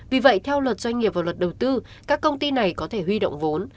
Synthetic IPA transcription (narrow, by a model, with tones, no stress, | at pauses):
vi˨˩və̰˧˨jt̪ʰɛ˧wlwə˨˩t̚zwa˧jŋ̟ŋi˨˩əp̚vaː˨˩wə˨˩t̚ɗə˨˩wt̪ɨ˧ | kaː˦˥kːə˧wŋ͡mt̪i˧na˨˩jkɔ˨˦t̪ʰe˧˩ɦwi˧ɗo̰˧˨wŋ͡mvo˨˦n